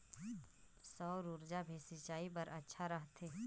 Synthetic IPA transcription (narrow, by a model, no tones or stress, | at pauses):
sɔːɾuɾd͡ʒabʱeːsit͡ʃaːip̬ɐɾɐtːʃʰaɾɐɦt̪ʰeː